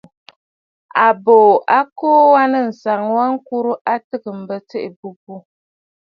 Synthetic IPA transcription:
a˨boː˨ʔa˦koː˦wa˦nɨ˦n̩˨sa˨ŋ˦wa˦ŋ˦ku˦ɾu˦ʔa˦tɨ˦kɨ˨m̩˨bə˨tɨ˦ʔɪ˨bu˦bu˦

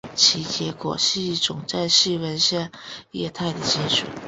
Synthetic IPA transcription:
t͡ɕʰi˧˥t͡ɕjɛ˧˥kwɔ̰˨˩ʂ̩i˥˧i˥˩ʈ͡ʂʊ˨˩ŋt͡sa˥˧ɪɕi˥˩wə˧˥nɕjɛ˥˧njɛ̰˥˧t̪ʰa˥˩ɪd̪ə˩t͡ɕi˥nʂṵ˨˩˦

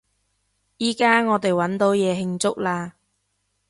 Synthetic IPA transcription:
jiː˨kaː˥ŋɔː˨˧t̪e˨jwɐ˨˥nt̪o˨˥wjɛː˨˧ɦɪ˧ŋt͡sʊ˥k̚laː˧

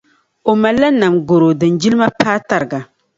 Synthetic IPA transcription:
o˨ma˨lːa˦na˨mɡo˨ɾo˨dɨ˨nd͡ʒi˦lma˦paː˦ta˦ɾɡa˨

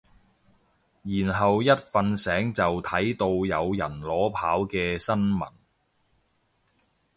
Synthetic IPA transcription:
jiː˨˩nɦɐ˨wjɐ˥t̚fɐ˧nsɛː˨˥ŋt͡sɐ˨wt̪ʰɐ˨˥jt̪o˧wjɐ˨˧wjɐ̰˨˩nlɔː˨˥pʰa̰ː˨˥wkɛː˧sɐ˥nmɐ̰˨˩n

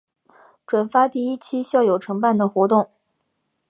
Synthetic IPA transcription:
ʈ͡ʂwa˨˩nfa˥t̪i˥˧i˥t͡ɕʰi˥ɕjɑ˥˩ʊjo˨˩ʊʈ͡ʂʰɤ˧˥ŋpa˥˩nd̪ə˩xwɔ˧˥t̪ʊ˥˩ŋ

